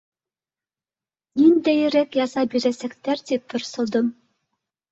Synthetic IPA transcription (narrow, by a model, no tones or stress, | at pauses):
nind̪ejɘ̆ɾɛkjɑsɑbiɾesɛkt̪æɾt̪ip̚t̪ʰŏɾsɤ̆lˠd̪ɤm